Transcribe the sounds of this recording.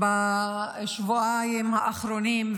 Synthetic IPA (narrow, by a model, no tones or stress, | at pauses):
ba | ʃvuajmhaʔaχɾonim